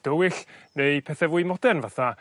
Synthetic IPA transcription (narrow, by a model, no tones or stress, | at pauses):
d̥əwɪɬnejpʰɛθɛvuːɨmɔd̥ɛnvaθa